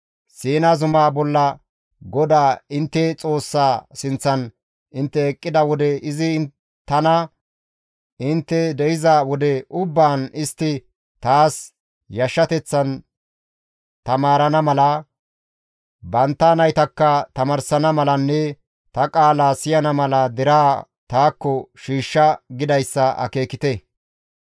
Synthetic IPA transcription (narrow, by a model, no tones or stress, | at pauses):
siːnɐzʊmaːbɔlːɐ | ɡɔd̪aːɪnt̪ːɛt͡sʼo̞ːsːaːsɪnt͡sːɐn | ɪnt̪ːɛːkʼːɪd̪ɐwɔd̪ɛʔɪzɪ | t̪ːɐnɐ | ɪnt̪ːɛd̪ɛjɪzɐwɔd̪ɛʊbːaːnɪst̪ːɪ | t̪aːs | jɐʃːɐt̪ɛt͡sːɐn | t̪ɐmaːɾɐnɐmɐlɐ | bɐnt̪ːɐnɐjt̪ɐkːɐt̪ɐmɐɾsɐnɐmɐlɐnːɛ | t̪ɐkʼaːlaːsɪjɐnɐmɐlɐd̪ɛɾaː | t̪aːkːɔʃiːʃːɐɡɪd̪ɐjsːɐʔɐ̰ke̞ːkɪt̪ɛ